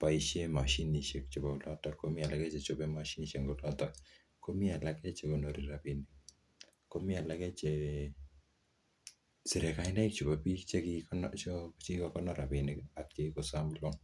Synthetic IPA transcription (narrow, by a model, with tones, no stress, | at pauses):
pa˨iʃe˦ma˨ʃi˦ni˨ʃe˨k̚t͡ʃo˨ba˨u˨lɔ˦tɔkkːomɪ˦a˨la˨kɛ˦t͡ʃe˨t͡ʃo˨pɛ˦ma˨ʃi˦ni˨ʃe˨ŋɡo˦lɔ˦tɔ | ko˦mi˦a˨la˦kɛ˦t͡ʃe˨ko˨no˨ɾi˨ɾa˨pi˨ni˨k̚ | ko˦mi˦a˨la˦kɛ˦t͡ʃe˨ | si˨ɾɛ˨ka˨ɪ˦na˦i˦k̚t͡ʃo˨ba˨pi˦kt͡ʃe˦ki˧knt͡ʃot͡ʃi˦kɔkɔ˦nɔ˦ɾa˨pi˨nɪ˨ka˨k̚t͡ʃe˦ko˨samlo˦ŋ